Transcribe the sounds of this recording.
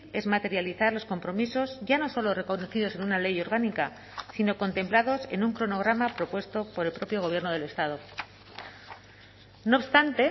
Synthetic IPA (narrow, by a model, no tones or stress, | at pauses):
e̞zmat̪e̞ɾjaliθaɾlo̞sko̞mpɾo̞miso̞zʝano̞so̞lo̞re̞ko̞noθiðo̞se̞nunale̞jo̞ɾɣ̞anika | sino̞ko̞nt̪e̞mplaðo̞se̞̰nuŋkɾono̞ɣ̞ɾamapɾo̞pwe̞st̪o̞po̞ɾe̞lpɾo̞pjo̞ɣ̞o̞β̞je̞ɾnoð̞e̞le̞st̪að̞o̞ | no̞ːpst̪ant̪e̞